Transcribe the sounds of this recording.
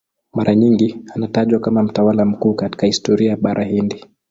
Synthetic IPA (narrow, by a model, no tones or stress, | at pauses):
maɾʔaɲiŋɡianataʄwakamam̩tawalam̩kuːkati̥kahistɔɾiajaɓaɾʔahindi